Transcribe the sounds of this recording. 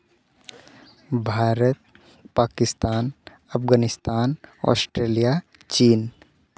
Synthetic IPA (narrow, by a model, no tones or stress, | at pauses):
bʱaːɾət̪̚ | paːkɪst̪aːn | ɐpɡaːnɪst̪aːnɔ̰sʈɾeːlija | t͡ʃiːn